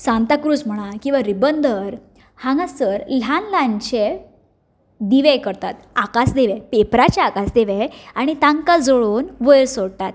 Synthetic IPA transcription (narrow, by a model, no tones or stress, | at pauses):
sãnt̪akɾuːd͡zm̤əɽ̃akĩw̃ʋaɾibənd̪əɾ | hãŋɡãsəɾl̤anlãɲt͡ɕe | d̪iʋɛkəɾt̪at̪akasd̪eʋɛpepɾat͡ɕaakasd̪eʋɛaɽ̃it̪ãŋkad͡zoɭuːnʋəjɾsoɽt̪at̪̚